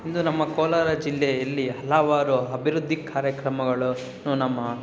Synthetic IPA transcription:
ind̪unɐmːɐkɔːlaːɾɐd͡ʒilːejɐlːiɦɐlɐʋaːɾuɐbʱiɾud̪ʱːikaːɾjɐkɾɐmɐɡɐɭu | nuːnɐmːɐ

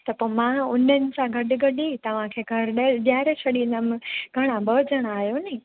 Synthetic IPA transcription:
t̪ɐpoːmãʊnənɪ̆sãɡʱɐɗɪɡɐɗit̪ɐʋ̤ãkʰeːɡʱɐɾɗjaːɾesʰɐɗĩnəmɪ̃ɡʱɐɽ̃ãbɐd͡ʑəɽ̃aːɦjonɐ

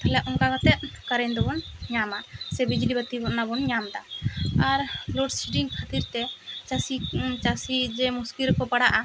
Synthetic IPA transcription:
t̪ʰalɛʔɔŋkakɔt̪ɛʔ̚kaɾɛɲd̪ɔbɔnɲamasɛbid͡ʒlibat̪ibɔnabɔnɲamd̪aaɾlɔɖsiʈiŋkʰat̪iɾt̪ɛt͡ʃasit͡ʃasid͡ʒɛmuskiɾkɔpaɽaʔa

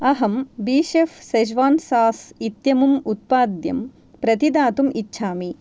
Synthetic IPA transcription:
ɐɦɐmbiːʃefsɐd͡ʒʋaːnsaːsit̪jɐmumut̪̚paːd̪jɐ̰m | pɾɐt̪id̪aːt̪umitːʃʰaːmi

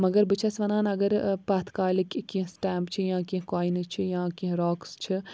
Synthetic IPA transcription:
mɐɡəɾbɨt͡ʃʰɐsʋɐnaːnɐɡəɾpaːt̪ʰkaːlikkĩɦsʈɛːmbt͡ʃʰijãːkĩɦkaːint͡ʃʰijãːkiɦɾoːkst͡ʃʰi

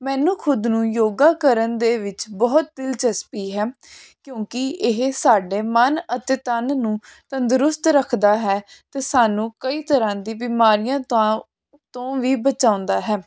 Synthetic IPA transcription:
mɛ̃ːnũːkʰʊd̪nũːjoːɡaːkəɾənd̪eːʋɪt͡ʃbɔːt̪̚d̪ɪlt͡ʃəspiːɦɛː | kjõːkɪɪɦsaːɖeːmənət̪eːt̪ənnũːt̪ənd̪ɾʊst̪ɾəkʰd̪aːɦɛːt̪eːsaːnũːkəiːt̪əɾãːd̪iːbɪmaːɾijãː | t̪õːʋiːbət͡ʃãːʊ̃nd̪aːɦɛː

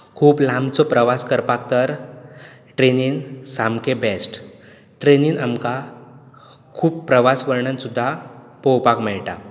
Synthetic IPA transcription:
kʰuːplãmt͡sɔpɾəʋaskəɾpak̚t̪əɾ | ʈɾeniːnsamkebɛsʈ | ʈɾeniːnamka | kʰuːpːɾəʋasʋəɾɳənsud̪ʱːa | pɔwpakmɛɭʈa

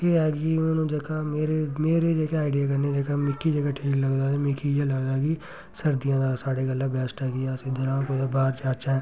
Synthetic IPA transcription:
eːɦɛːɡiːʊnãːnũːd͡ʒəkaːmeːɾemeːɾeːd͡ʒeːkeaːɪɖijaːkəɾned͡ʒekamɪkːid͡ʒəɡaːʈʰiːkləɡd̪aːemɪkiːd͡ʒaːləɡd̪aːɡiː | səɾd̪ijãːd̪aːsaːɖeːɡəlːãːbɛːsʈɦɛːɡiɛsĩːd̪əɾãːkod̪aːbaːɾt͡ʃaːt͡ʃaɛ̃ː

